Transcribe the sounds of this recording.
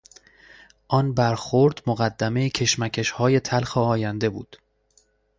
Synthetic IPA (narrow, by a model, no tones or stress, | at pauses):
ʔɒnbæɾxoɾd̪̥moɣæd̪ːæme̞jecʰe̞ʃmæcʰeʃhɒːje̞t̪ʰælxeɒːjænd̪e̞bṵːd̪̥